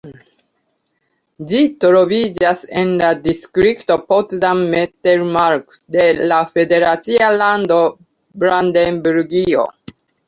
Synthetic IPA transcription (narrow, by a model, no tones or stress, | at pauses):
d͡ʒitɾovid͡ʒasenladiskɾikt̪opotdamːeteɾmaɾk | de̞lafede̞ɾatsialando | bɾand̪embuɾɡio̰